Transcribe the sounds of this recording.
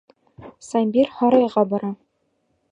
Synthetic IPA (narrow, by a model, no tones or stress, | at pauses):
sɑmʲbʲirhɑɾɑjʁɑbɒɾɑ